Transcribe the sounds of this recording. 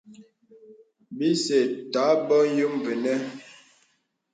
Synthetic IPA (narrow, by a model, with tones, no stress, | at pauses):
bi˦se˨ta˨˦bɔ˦jo˦mve˨nɛ˦